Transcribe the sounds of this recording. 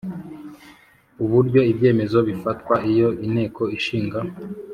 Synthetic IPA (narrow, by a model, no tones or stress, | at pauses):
uβuɾɟo̞ibɟe̞ːme̞zo̞βifatkwaijo̞ʔin̥he̞ːkʰo̞iʃiːŋɡa